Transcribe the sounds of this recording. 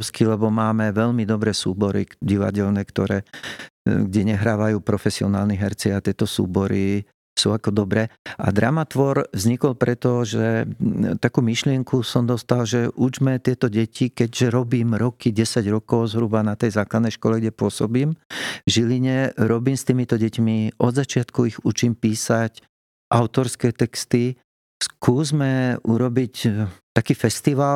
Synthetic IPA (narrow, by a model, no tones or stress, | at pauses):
skilɛbɔmaːmɛʋɛʎmid̪ɔbɾɛsuːbɔɾḭɟiʋa̰ɟɛlnɛkt̪ɔɾɛː | ɡɟɛɲɛɦɾaːʋajuːpɾɔfɛsiɔnaːlniɦɛɾt͡siat̪ɪɛt̪ɔsṵːbɔɾi | sṵakɔd̪ɔbɾɛːʔa̰d̪ɾamat̪ʋɔɾvzɲikɔlpɾɛt̪ɔʒɛt̪akuːmiʃlɪɛŋkusɔmd̪ɔst̪alʒɛʔud͡ʒmɛt̪ɪɛt̪ɔɟɛcʰikɛɟʒɛɾɔbiːmɾɔkiɟɛsaɟɾɔkɔʊzɦɾubanat̪ɛjzaːklad̪nɛjʃkɔlɛɡɟɛpʊɔsɔbiːmvʒiliɲɛɾɔbiːmst̪iːmit̪ɔɟɛcmiʔɔd̪zat͡ʃɪat̪kuiɣut͡ʃiːmpiːsac | ʔaʊt̪ɔɾskɛːt̪ɛkst̪i | skʰuːzmɛʔuɾɔbict̪akiːfɛst̪iʋal